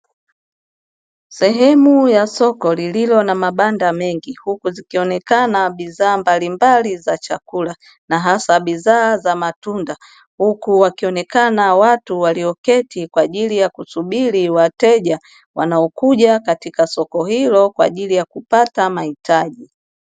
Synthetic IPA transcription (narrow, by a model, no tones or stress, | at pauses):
sɛɦɛmujasɔkɔlililɔnamaɓandamɛŋɡihukuzikiɔnɛkanaɓizaːmbalimbalizat͡ʃakula | naɦasaɓizaːzamatunda | hukuwakiɔnɛkanawatuwaliɔkɛtikwaːʄilijakusuɓiliwatɛʄa | wa̰naɔkuʄakatikasɔkɔhilɔkwa̰ʄilijakupatamahitʰaʄi